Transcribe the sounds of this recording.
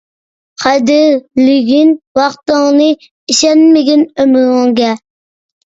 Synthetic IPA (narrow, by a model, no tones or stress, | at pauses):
qʰɑd̪ɪɾlɪɡʲinwɑχt̪əŋnɨ | iʃɛnmɪɡʲɛnømɪʁɪŋɡʲɛ